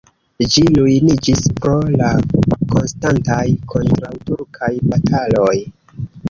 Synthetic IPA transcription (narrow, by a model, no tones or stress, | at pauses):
d͡ʒilujnid͡ʒispɾo̞lako̞nstantajkʰo̞ntɾawtuɾkʰajbatʰalo̞j